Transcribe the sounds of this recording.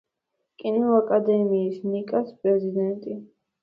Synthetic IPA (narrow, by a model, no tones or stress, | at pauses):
kʼiniakʼad̪ɛmiːsnikʼaspʼɾɛzid̪ɛnt̪ʼi